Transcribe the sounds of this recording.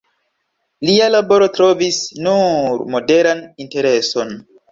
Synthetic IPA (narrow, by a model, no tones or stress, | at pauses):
lialabo̞ɾo̞tɾo̞visnuɾmo̞de̞ɾaninte̞ɾe̞so̞n